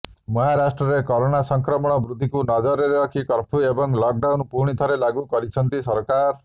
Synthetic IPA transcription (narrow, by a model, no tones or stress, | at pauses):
mɔɦaɾasʈɾɔɾekɔɾoɽ̃asɔŋkɾɔmɔɽ̃ɔbɾud̪ʱːikunɔd͡ʒɔɾeɾeɾɔkʰikɔɾpʰuebɔŋlɔk̚ɖawnpuɾɽ̃it̪ʰɔɾelaɡukɔɾit͡ʃʰɔnt̪isɔɾkaɾ